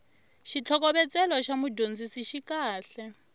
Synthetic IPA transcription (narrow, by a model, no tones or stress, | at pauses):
ʃit͡ɬʰɔk̬ɔɓɛt͡sʼɛlɔʃamudʱond͡zisiʃikaːɬɛ